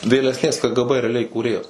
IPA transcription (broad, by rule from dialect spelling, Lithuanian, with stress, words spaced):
ʋʲeːlʲɛsʲˈnʲeːs ˈkə ˈɡə ˈbə rʲɛɐˈlʲɛɪ iːkuːˈrʲeːjɛs